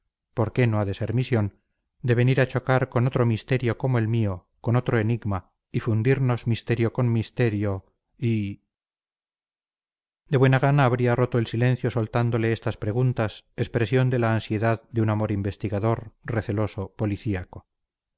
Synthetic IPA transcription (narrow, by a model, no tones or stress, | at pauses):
po̞ɾke̞no̞aðe̞se̞ɾmisjo̞n | d̪e̞βe̞niɾat͡ʃo̞kaɾko̞no̞t̪ɾo̞mist̪e̞ɾjo̞ko̞moelmio̞ | ko̞no̞t̪ɾo̞e̞niɣma | ifund̪iɾno̞zmist̪e̞ɾjo̞ko̞nmist̪eɾjo | i | d̪e̞βwe̞naɣ̞anaːβ̞ɾiaro̞t̪o̞elsilẽ̞nθjo̞solt̪and̪o̞le̞est̪aspɾe̞ɣ̞unt̪asespɾe̞sjo̞nd̪e̞laːnsje̞ðaðd̪eunamo̞ɾimbe̞st̪iɣaðo̞ɾre̞θe̞lo̞so̞po̞liθiako̞